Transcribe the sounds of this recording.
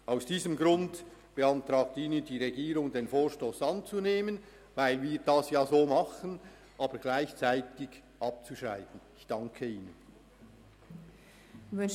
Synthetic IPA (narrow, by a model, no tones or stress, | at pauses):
ʔaʊsd̥iːzəmɡʁʊndb̥eɑntʁɑːɡ̚tiːnəndiːʁeɡiːʁʊŋdeːnfoːɹʃtoːsɑnt͡suneːmən | vaɪlviːɾdɑsjaːzoːmɑχən | ʔɑːbəɾɡ̥laɪçt͡saɪtɪɡ | ʔɑp̚t͡suʃʁa̰ɪtn̩ɪçd̥ɑŋkʰəiːnən